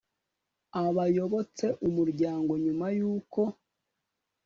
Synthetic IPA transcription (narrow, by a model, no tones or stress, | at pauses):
aβajo̞βo̞t͡se̞ʔumuɾɟaːŋɡo̞ɲumajuːko̞